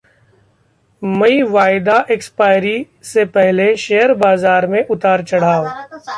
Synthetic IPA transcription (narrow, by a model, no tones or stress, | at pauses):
mɐiʋaːɪd̪aʔekspaːɪɾi | sepɛɦleʃeːjəɾbaːzaːɾmẽʔʊt̪aːɾt͡ʃɐɽ̤aːo